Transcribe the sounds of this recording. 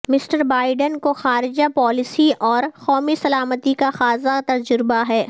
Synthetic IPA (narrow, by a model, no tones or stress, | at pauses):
mɪsʈəɾbaːɪɖənkoxaːɾɪd͡ʒapɔːlɪsiʔɔːɾxɔːmisɐlaːmət̪ikaxaːzat̪ɐd͡ʒʊɾɪbaɦɛː